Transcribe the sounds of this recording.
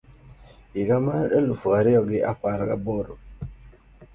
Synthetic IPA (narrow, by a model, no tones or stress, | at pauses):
iɡamaɾelufoaɾiɔɡɪʔakaɾaɡabɔɾo